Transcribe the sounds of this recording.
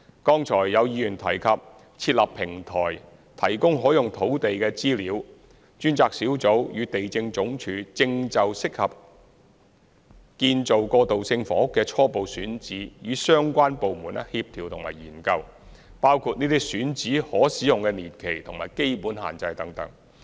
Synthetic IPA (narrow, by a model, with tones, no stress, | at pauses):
kɔː˥ŋt͡sʰɔː˨˩jːɐ˨˧wjiː˨˧jyː˨˩nt̪ʰɐ˨˩jkʰɐ˨p̚ | t͡sʰiː˧t̚lɐ˨pʰɪ˨˩ŋt̪ʰɔː˨˩j | t̪ʰɐ˨˩jkʊ˥ŋɦɔː˨˥jʊ˨ŋt̪ʰo˨˥wt̪e˨jkɛː˧t͡siː˥liː˨˧w | t͡ʃyː˥nt͡saː˧k̚siː˨˥wt͡so˨˥wjyː˨˧t̪e˨jt͡sɪ˧ŋt͡sʊ˨˥ŋt͡ʃʰyː˨˥t͡sɪ˧ŋt͡sɐ˨wsɪ˥k̚hɐ˨p̚ | kiː˧nt͡so˨wkɔː˧t̪o˨wsɪ˧ŋfɔː˨˥ʊ˥kːɛː˧t͡ʃʰɔː˥po˨wsyː˨˥nt͡siː˨˥jyː˨˧sœː˥ŋkʷaː˥npo˨wmuː˨˩nɛ˥hiː˧p̚t̪ʰiː˨˩wt̪ʰʊ˨˩ŋma̰ː˨˩jiː˨˩nkɐ˧w | paː˥wkʰuː˧t̚niː˥t̪iː˥syː˨˥nt͡siː˨˥hɔː˨˥siː˨˥jʊ˨˩ŋkɛː˧niː˨˩nkʰe˨˩jt̪ʰʊ˨˩ŋmaː˨˩jke˥jpuː˨˥nha̰ː˨nt͡sɐ˧jt̪ɐ˨˥ŋt̪ɐ̰˨˥ŋ